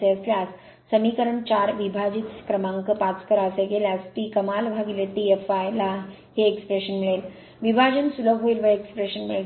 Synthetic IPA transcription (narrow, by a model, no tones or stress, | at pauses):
eəsljasː | əmikəɾəɳt͡ɕaɾʋibʱad͡ʑit̪kɾəmãŋkəpat͡skəɾaseɡeljasp̪iːkəmalbʱaɡileʈiefajla | ɦeːkspɾeɕənmiɭel | ʋibʱad͡ʑənsuləbɦoilʋəekspɾeɕənmiɭe